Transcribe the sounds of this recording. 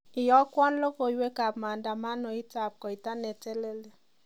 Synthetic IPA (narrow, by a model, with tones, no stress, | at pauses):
ɪ˨jɔ˦kwɔ˦nlo˦ko˨i˨˦we˦ka˨pma˨nda˨ma˦nɔ˨i˦ta˨p̚kɔ˨i˨ta˦nɛ˨te˦le˦le˨